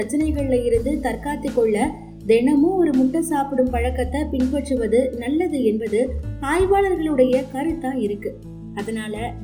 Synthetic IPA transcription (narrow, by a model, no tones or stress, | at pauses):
ɾɐt͡ʃːɐnɐɪɣɐɭɪlɐjɪɾɯnd̪ɯt̪ɐɾkaːt̪ːɯkːɔɭːɐ | d̪ɛnɐmɯɔɾɯmʊʈːɐsaːpɯɽɯmpɐɻɐkːɐt̪ːɐpɪɳpɐʈrɯʋɐðɯnɐlːɐðɯɛnbɐðɯaːjʋaːlɐɾɣɐɭɯɽɐjɐkɐɾɯt̪ːãːɪɾɯkːɯ | ɐðɐnaːlɐ